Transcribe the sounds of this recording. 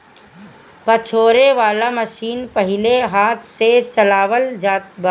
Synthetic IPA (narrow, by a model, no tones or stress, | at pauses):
pɐt͡ʃʰoːɾeʋaːlamɐʃiːnpɐɦɪleɦaːt̪ʰset͡ʃɐlaːʋəld͡ʒaːt̪̚ba